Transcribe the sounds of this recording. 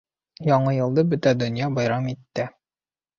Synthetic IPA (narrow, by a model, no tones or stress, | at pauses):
jɒɴɤjɤ̆lˠd̪ɤbɵt̪æd̪ɵ̆njɑbɒjɾɑmit̪ːɘ